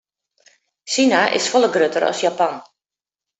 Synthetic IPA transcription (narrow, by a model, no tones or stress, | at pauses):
sinaʔɪ̰sfɔlˠəɡrøtəɾɔ̰sjapan